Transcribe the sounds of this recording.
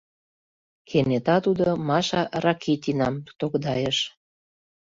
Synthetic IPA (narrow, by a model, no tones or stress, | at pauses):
kʰemnet̪ɑt̪ud̪omɑʃɑrɑkʰit̪ʲinɑmu̥t̪okd̪ɑjəʃ